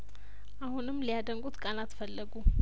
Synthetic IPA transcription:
ʔahunɨmːlijad̪əŋɡʼut̪kʼanat̪fəlːəɡu

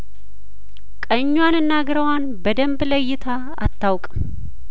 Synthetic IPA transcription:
kʼəɲːwanɨnːaɡɾəwanbəd̪əmbləjːɪt̪ʰa | a̰t̪ʰːawkʼ

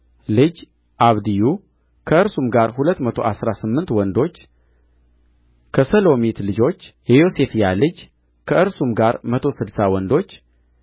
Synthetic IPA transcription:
lɨd͡ʒ | ʔaβd̪iju | kʰəɨɾsumɡaɾhulət̪ːmət̪ʰo̞̰ʔasɾasɨmːɨnt̪wɔnd̪o̞t͡ʃː | kʰəsəlo̞mit̪lɨd͡ʒo̞t͡ʃːjɛjo̞se̞fjalɨd͡ʒ | kʰəɨɾsumɡaɾmət̪ʰo̞sɨd̪sawɔnd̪o̞t͡ʃː

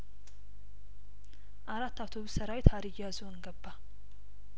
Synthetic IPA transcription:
ʔaɾat̪ːawt̪ʰo̞βustʰəɾawet̪ʰaɾijazoɨŋɡəbːa

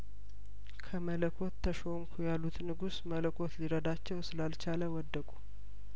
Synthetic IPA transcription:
kʰəmələkʰo̞t̪ʰːəʃomkʰujalːut̪nɨɡusmələkʰo̞t̪liɾəd̪at͡ʃːɛwsɨlalt͡ʃaləwɔd̪ːəkʼu

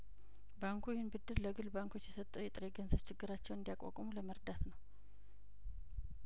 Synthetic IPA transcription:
baŋkʰujɛhɨnbɨd̪ːɨɾləɡɨlbaŋkʰo̞t͡ʃːjɛsət̪ʼːuwjɛt̪ʼɨɾe̞ɡənzəβt͡ʃʰɪɡːɨɾat͡ʃːɛwɨnd̪jakʼa̰kʼomuləməɾd̪at̪nəw

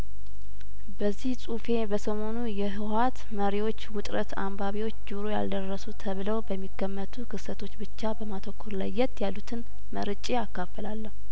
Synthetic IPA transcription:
bəzːihsʼufe̞bəsəmo̞nujɛɦɨwat̪məɾiwo̞t͡ʃːwʊt̪ʼɾət̪ʰa̰mbaβiwo̞t͡ʃːd͡ʒuɾoja̰ld̪ərːəsut̪ʰəβɨləwbəmːiɡəmːət̪ʰukʰɨsət̪ʰo̞t͡ʃːbɨt͡ʃːabəmat̪ʰokʰːoɾlajːɛt̪jalːut̪ʰɨn | məɾɨt͡ʃʼeakːafəlalːəhu

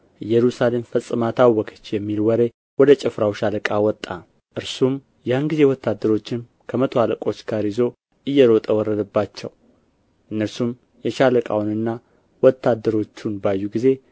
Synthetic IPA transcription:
jɛɾusale̞mfəsʼɨmat̪ʰawːɔkʰə̥t͡ʃːjɛmːilwɔɾe | wɔd̪ət͡ʃʼɪfɾawʃaləkʼawɔt̪ʼːa | ʔɨɾsum | janɡize̞wɔt̪ʰːad̪ːəɾo̞t͡ʃːɪn | kʰəmət̪ʰoaləkʼo̞t͡ʃːɡaɾjizo̞ | ʔɨjːɛɾo̞t̪ʼəwɔɾːəd̪əbːat͡ʃːɛw | ʔɨnːəɾsum | jɛʃaləkʼa̰wnɨnːa | wɔt̪ʰːad̪ːəɾo̞t͡ʃːunbajːuɡize̞

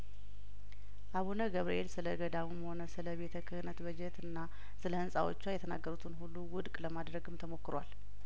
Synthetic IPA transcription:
ʔaβunəɡəβɾḭʔḛlsɨləɡəd̪awuməho̞nəsɨləβe̞t̪ʰəkʰɨhɨnət̪bəd͡ʒɛt̪ɨnːa | sɨləɨnsʼawo̰t͡ʃːwajɛt̪ʰəna̰ɡːəɾut̪ʰɨnhulːuwʊd̪kʼləmad̪ɾəɡɨmt̪ʰəmo̞kːɨɾwal

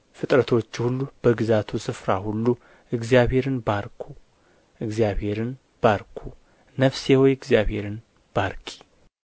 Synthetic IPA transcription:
fɨt̪ʼɾət̪ʰo̞t͡ʃːhulːub̥əɡɨzat̪ʰusɨfɾahulːu | ʔɨɡzijaβhe̞ɾɨnbaɾkʰu | ʔɨɡzijaβhe̞ɾɨn | b̥aɾkʰu | nəfsewojɨɡzijaβhe̞ɾɨn | b̥aɾkʰʼi̥

